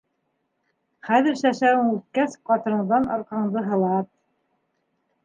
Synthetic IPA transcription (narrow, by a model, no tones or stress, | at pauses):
χæðɘ̆ɾʃæʃæwɘŋʉt̪̚kæsqɑt̪ɤ̆ɾɤ̆ɴðɑnɑ̰ɾqɑɴd̪ɤɦɤ̆lˠɑt̪̚